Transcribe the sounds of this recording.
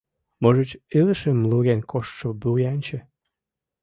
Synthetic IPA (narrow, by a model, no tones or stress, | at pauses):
moʒət͡ɕiləʃemluɣenkʰoʃt̪ʃobuɣeɑnʲt͡ɕĕ